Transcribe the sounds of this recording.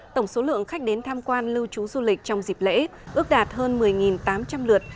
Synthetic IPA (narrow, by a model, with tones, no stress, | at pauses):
t̪ə˧˩wŋ͡mso˨˦lɨ̰˧˨əŋxa˦˥jk̟̚ɗe˨˦nt̪ʰaː˧mkwaː˧nlɨ˧wt͡ɕu˨˦zu˧lï˨˩k̟̚t͡ɕɔ˧wŋ͡mzi˨˩p̚lḛ˧˥ʔɨ˦˥ək̚ɗaː˨˩t̚həː˧nmɨ˨˩əjŋi˨˩nt̪aː˨˦mt͡ɕa˧mlɨ˨˩ət̚